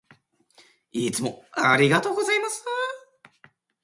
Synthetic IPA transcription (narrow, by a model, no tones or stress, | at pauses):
it͡sɨmo̞aɾʲiɡat̪o̞ːɡo̞zaimasɨ